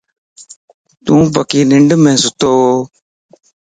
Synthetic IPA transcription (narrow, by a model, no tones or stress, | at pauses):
t̪ũːpəkiːnɪɳɖmẽːsʊt̪oː